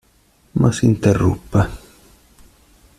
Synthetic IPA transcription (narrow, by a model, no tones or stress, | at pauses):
ma̰sint̪erːṵpːe